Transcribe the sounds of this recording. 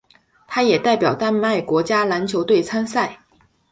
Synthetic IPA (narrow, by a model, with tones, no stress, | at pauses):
t̪ʰa˥jɛ˨˩t̪a˥˩ɪpjɑ˨˩ʊt̪a˥nma˥˩ɪkwɔ˧˥t͡ɕja˥la˧˥nt͡ɕʰjo˧˥ʊt̪we˥˩ɪt͡sʰa˥nsa˥˩ɪ